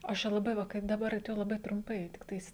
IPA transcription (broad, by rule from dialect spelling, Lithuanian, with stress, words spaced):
ˈɐʃ t͡ʃʲɛ lˠɐˈbɐɪ ˈʋɐ kɐɪp dɐˈbɐr tɐɪ lˠɐˈbɐɪ trʊmˈpɐɪ tʲɪkˈtɐɪs